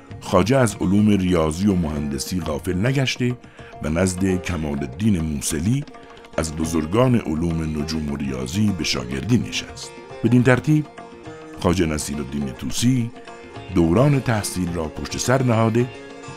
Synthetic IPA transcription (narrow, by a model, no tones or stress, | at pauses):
xɒːd͡ʒeæzo̰luːme̞rijɒːziːjomohænd̪e̞siːɣɒːfe̞lnæɡæʃt̪e̞ | vænæzd̪e̞cʰæmɒːlod̪ːiːne̞muːseliː | æzbozoɾɡɒːne̞̰ʔoluːme̞nod͡ʒuːmo̞rijɒ̰ːziːbe̞ʃɒ̰ːɟe̞̰ɾd̪iːnḭʃæst̪ | b̥e̞d̪int̪ʰæɾt̪ʰiːb̥̚ | xɒːd͡ʒenæsiːɾod̪ːiːnet̪ʰṵːsiː | d̪oːwɾɑːne̞t̪ʰæhsiːlrɒːpʰo̞ʃt̪e̞sæɾnæhɒːd̪e̞